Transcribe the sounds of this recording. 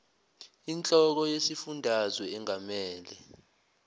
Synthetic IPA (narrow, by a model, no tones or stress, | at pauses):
int͡ɬʼɔk̬ɔjesifundʱazwɛːŋamɛːlɛ